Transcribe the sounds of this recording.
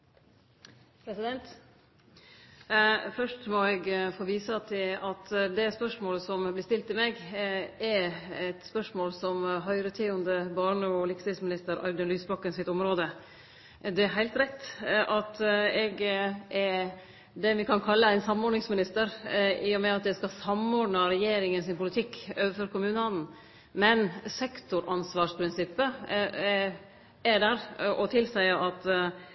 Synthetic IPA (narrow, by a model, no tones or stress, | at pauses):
pʰɾɛsɪd̪ɛnt̪ | fœʂʈmɔɛɡfoːʋiːsət̪ʰɪlɑt̪d̪ɛspœʂmoːləsɔmblɪʂt̪ɪlt̪ːɪlmɛːɡɛɛt̪spœʂmoːlsɔmɦœʏɾət̪ʰyːʊnd̪əbɑːɳəɔlɪkst̪ʰɪsmɪnɪst̪əɾɑ̰ɾd̪ʉnlyːsbɑkːənsɪt̪ɔmɾoːd̪ə | d̪ɛæɾɦæɪt̪ɾɛt̪ːʔɑt̪ɛɡɛ | d̪ɛʋɪkʰɑnkʰɑlːəæɪnsɑmɔɖnɪŋsmɪnɪst̪əɾiːʊmɛɑt̪̚d̪ɛskɑsɑmɔɖɳɑɾɛjeːɾɪŋənsɪnpʊlɪt̪ʰɪkːøːʋəfɔɾkʊmʉːnəɑnn̩ | mɛnsɛkt̪ʊɾɑnsʋɑːʂpʰɾɪnsɪpːə | æɖæɾʔɔt̪ʰɪlsæɪəʔɑt̪